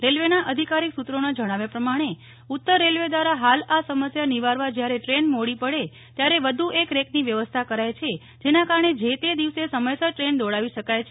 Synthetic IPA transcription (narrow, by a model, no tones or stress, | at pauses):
ɾelʋenaʔəd̪ʱikaɾiksut̪ɾonad͡ʒəɽ̃aʋjapɾəmaɽ̃e | ut̪ːəɾːelʋed̪ʋaɾaɦalasəməsjaniʋaɾʋad͡ʒjaɾeʈɾenmoɽipəɽe | t̪jaɾeʋəd̪ʱuʔekɾekniʋjəʋəst̪ʰakəɾajt͡ʃʰe | d͡ʒenakaɾəɳed͡ʒet̪ed̪iʋsesəməjsaʈɾend̪oɭaʋiʃəkajt͡ʃʰe